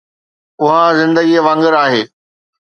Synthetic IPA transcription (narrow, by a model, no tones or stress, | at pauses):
ʊɦazɪ̃nd̪əɡiʋɐ̃ŋɡəɾaːɦeː